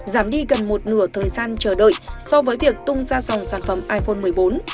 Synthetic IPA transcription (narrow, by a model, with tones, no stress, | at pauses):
zaː˧˩mɗi˧ɣə˨˩nmo˨˩t̚nɨ̰˧˩ət̪ʰəː˨˩jzaː˧nt͡ɕəː˧˩ɗə̰ː˧˨jsɔ˧vəː˨˦jvi˨˩ək̚t̪ʊ˧ŋ͡mzaː˧sa˨˩wŋ͡msaː˧˩nfə˧˩mʔaː˧jfo˧nmɨ˨˩əjɓo˨˦n